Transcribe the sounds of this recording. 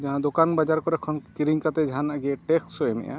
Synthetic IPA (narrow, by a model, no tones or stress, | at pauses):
d͡ʒaɦãd̪okanbad͡ʒaɾkɔɾɛkʰɔnkiɾiŋkat̪ɛd͡ʒʱanaɡiɛʈɛksɔɛmɛ̰ja̰